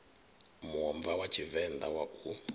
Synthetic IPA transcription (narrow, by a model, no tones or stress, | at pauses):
muɔmvawat͡ʃʰivɛnd̪awakʰu